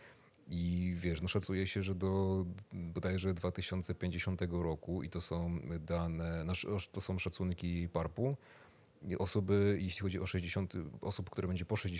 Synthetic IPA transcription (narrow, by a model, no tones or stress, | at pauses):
ivʲjɛʂnɔʂat̪sujɛɕɛʐɛd̪ɔ | bɔd̪ajɛʐɛd̪vat̪ɘɕɔnt̪sɛpʲẽɲd͡ʑeɕɔnt̪ɛɡɔɾɔkuḭt̪ɔsɔ̃w̃d̪anɛnaʂt̪ɔsɔ̃w̃ʂat̪suŋkʲijejpaɾpu | ʔɔsɔbɘjeɕlʲixɔd͡ʑiʔɔʂɛʑd͡ʑeɕɔnt̪ɘʔɔsup̚kt̪uɾabɛɲd͡ʑɛpɔʂɛʑd͡ʑe